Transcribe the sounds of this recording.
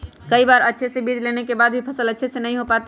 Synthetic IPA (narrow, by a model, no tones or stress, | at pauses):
kəibaɾətːʃʰesebid͡ʒlenekebad̪̚bʱipʰəsələtːʃʰesenəjɦopat̪